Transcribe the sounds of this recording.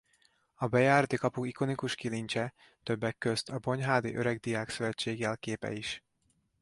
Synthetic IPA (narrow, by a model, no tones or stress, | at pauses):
ɒbɛjaːrd̪ikɒpukiko̞nikuʃkiliɲt͡ʃɛ | t̪ø̞bːɛkːø̞st̪ʰɒbo̞ɲɦaːd̪ḭʔø̞ɾɛɡ̚d̪ijaːksøvɛt͡ʃːeːɡɛlkeːpɛ̰iʃ